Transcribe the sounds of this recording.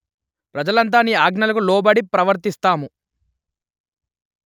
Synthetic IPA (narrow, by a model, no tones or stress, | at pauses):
pɾɐd͡ʒɐlɐnt̪̬aːniːaːɡnɐlɐkulɔːbɐɽipɾɐʋɐɾt̪ist̪aːmu